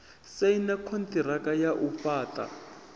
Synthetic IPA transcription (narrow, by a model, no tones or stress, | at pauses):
seinakʰontirakʼajaʔufaːta̰